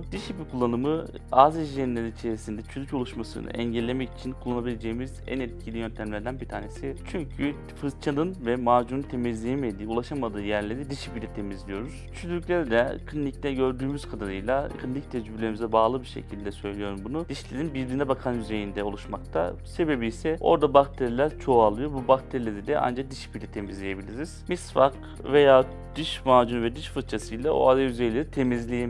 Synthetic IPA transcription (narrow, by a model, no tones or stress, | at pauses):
d̪iʃipikʰulˠːanɯmɯ | aːziʒienʲːeinit͡ʃʰe̞ɾisind̪ɛt͡ʃʰyzycʰo̞lˠuʃmasɯ̰nɯ̰ʔɛɲɟælʲːemɛci̥t͡ʃʰinkʰulˠːanabilʲe̞d͡ʒe̞jimizæ̰nɛt̪̚cʰilʲijønt̪ʰæmlʲæɾd̪ænbit̪ʰaːne̞sit͡ʃʰyɲcʰy | fɯzt͡ʃʰanɯnvɛmaːd͡ʒununt̪ʰe̞mizlʲejemed̪iːulˠaʃamad̪ɯːjæɾlʲeɾid̪iʃipilʲɛt̪ʰe̞mizlʲijo̞ɾuz̥t͡ʃʰyzylycʲlʲeɾid̪ɛkʰlʲinʲic̚t̪ɛɟø̞ɾd̪yːmyz̥kʰad̪aɾɯjlˠakʰɯlʲinic̚t̪ʰɛd͡ʒiblʲemizɛbaːlˠɯbiɾʃe̞̰cʰilʲd̪ɛsø̞jlʲejo̞ɾumbunud̪iʃlʲeɾinbiɾlinɛbakʰanjyze̞jind̪ɛo̞lˠuʃmak̚t̪ʰa̰se̞be̞biːsɛo̞̰ɾd̪abak̚t̪ʰeɾilʲæɾt͡ʃʰo̞alˠɯjo̞ɾbubakt̪ʰeɾilʲe̞ɾid̪ɛʔa̰nd͡ʒad̪iʃbilʲɛt̪ʰe̞mizlʲeje̞bilʲiɾiz̥misfak | ve̞jaː | d̪̥ɯʃmaːd͡ʒunuvɛd̪ɯʃfɯt̪̚t͡ʃʰasɯjlˠao̰aɾajyze̞jlʲe̞ɾit̪ʰe̞mizlʲeje